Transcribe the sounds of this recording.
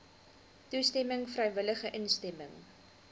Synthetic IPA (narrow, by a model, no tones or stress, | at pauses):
tustɛməŋfrɛjvələχəʔənstɛməŋ